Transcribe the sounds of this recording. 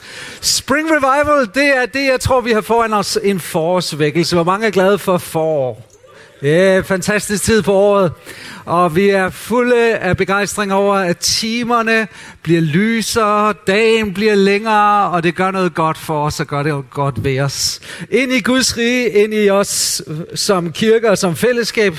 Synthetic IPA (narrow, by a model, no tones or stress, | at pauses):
sb̥ʁiŋʁiʋɑ̈ɪʋəl̩d̥e̝æɐd̥e̝jɑ̈ɪt͡sʰʁo̝ɐ̰ʋihɑ̈fɒːænɒse̝nfɒːsʋeɡ̥l̩səʋɑmɑ̈ŋəæɐɡ̥lɛð̞ˠəfɒ̽fɒː | jæfænt͡sʰæsd̥isɡ̥t͡sʰið̞̰ˠpʰɒ̽ɒ̰ːð̞̩ˠʔɒ̽ʋiæɐfuləæb̥e̝ɡ̥ɑ̈ɪsd̥ʁeŋɒʊ̰ɐæt͡sʰiːmɐnə | b̥liɐlyːsɐd̥ɛ̰ːnb̥liɐleŋɐːɒ̽d̥e̝ɡ̥ɶɐnɔ̽ːð̞̩ˠɡ̥ɒ̽d̥fɒɒsɒɡ̥ɶɐɾeɡ̥ɒd̥ʋe̝ɒse̝n̰iɡ̥uðˠsʁiːe̝n̰iɒ̽sː | ɒ̽mkʰiɐɡ̥əɒsɒ̽mfel̰əsɡ̥ɛ̰ːb̥